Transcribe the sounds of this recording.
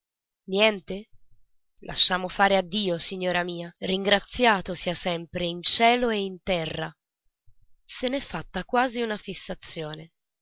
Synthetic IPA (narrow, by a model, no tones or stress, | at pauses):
njɛnt̪e | lʔa̰ʃːaːmofaːɾead̪ːiːosiɲːoːɾamiːariŋɡɾat̪sːjaːt̪osiasɛmpɾeint͡ʃɛːloeint̪ɛrːa̰ | senɛfːat̪ːakwaːziunafisːat̪sːjoːne